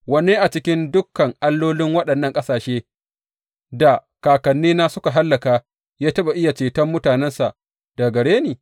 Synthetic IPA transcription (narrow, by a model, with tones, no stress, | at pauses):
wɐ˨neː˦ʔa˨t͡ʃɪ˦kʲɪ˦ndʊ˦kːɐ˨ŋʔa˦lːoː˦lɪ˦ŋwɐ˦ɗɐ˨nːɐ˦˨ŋkʼɐ˦saː˨ʃeː˦ | da˨ | kaː˨kɐ˨nːiː˦naː˦sʊ˦ka˨ɦa˦lːɐ˨kaː˦ | jaː˦tɐ˦ɓa˨ʔɪ˦ja˨t͡ʃeː˨tɐ˦mːʊ˦taː˨nɛ˦nsa˨ʔ | da˨ɡɐ˨ɽeː˦neː˨